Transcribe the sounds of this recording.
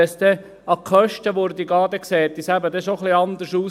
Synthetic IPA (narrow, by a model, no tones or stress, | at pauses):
ɛsd̪ɛ | ɑkʰœʃtəʋoɾd̪iɡɑːd̪ɛksɛːt̪ːisæbəd̪ɛʃoχliɑnd̪əʃuː